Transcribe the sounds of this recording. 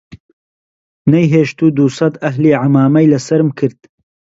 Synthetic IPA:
nɐjɦeːʃt̪uːd̪usɐd̪ɐɦliːʕamaːmɐjlɐsɐɾmkʰɨɾd̪̥

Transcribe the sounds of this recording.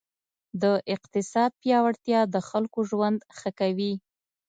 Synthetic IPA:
d̪əʔɪq̚t̪ɪsɑd̪̚pjɑwaɽt̪jɑd̪əxalkoʒwand̪xəkawi

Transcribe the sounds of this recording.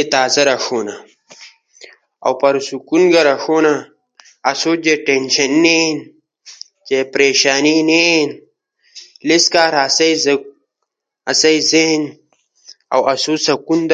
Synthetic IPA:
et̪aːzɐɾɐʂoːna | a̰wpɐɾsukunɡɐɾɐxoːnaː | soːd͡ʑeʈenʃɐnːen | t͡ʃepɾeːʃaːninen | liskaːɾasɐi | ɐsɐizen | ɐ̰wɐsuːsɐkund̪

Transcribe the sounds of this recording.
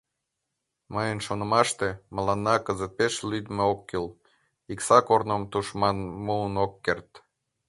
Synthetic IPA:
məjənʃonəmɑʃt̪emə̆lɑnːɑkəzət̪̚peʃlyd̪meokːil | iksɑkornomt̪uʃmɑnmuːnokːert̪

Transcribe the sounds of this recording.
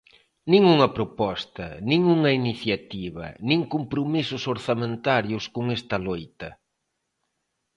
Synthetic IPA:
nĩŋuŋɐpɾopɔst̪ɐnĩŋuŋɐiniθjat̪iβɐ̰nĩŋkompɾomisʊsoɾθamẽnt̪aɾjʊskʊŋɛst̪ɐlojt̪ɐ

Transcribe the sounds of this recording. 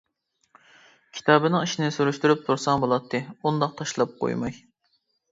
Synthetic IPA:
kʲʰi̥t̪ʰɑːbɨnɨŋiʃinɪsuɾuʃt̪uɾyp̚t̪ʰuɾsɑŋbolˠɑt̪ʰːɨund̪ɑq̚t̪ʰɑʃlˠɑp̚qʰo̰jmɑj

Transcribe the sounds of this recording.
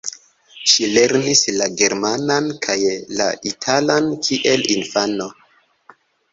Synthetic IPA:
ʃileɾnislaɡe̞ɾmanankʰajla̰itʰalankʰiʔe̞linfano̞

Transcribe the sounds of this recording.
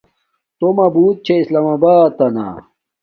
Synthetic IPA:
t̪omɐbuːt̪̚t͡ɕʰeislaːmabaːt̪ːɐna̰

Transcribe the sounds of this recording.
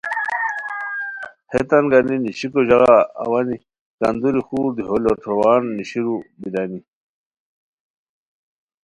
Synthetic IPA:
het̪anɡaniniɕikoʑaɣa̰ːwani | ka̰nd̪uɾixuːɾd̪iɦoloʈ͡ʂʰowaːnːiɕiɾubid̪ani

